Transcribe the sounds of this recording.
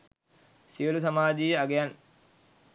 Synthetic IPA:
siəlus̬amaːd͡ʒijəaɡejan

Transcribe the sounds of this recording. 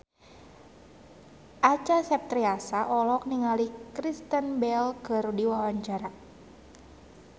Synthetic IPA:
ʔat͡ʃasɛp̚t̪ɾiasaʔɔlɔk̚niŋalikɾist̪ənbɛlkəɾudiwawaɲt͡ʃaɾa

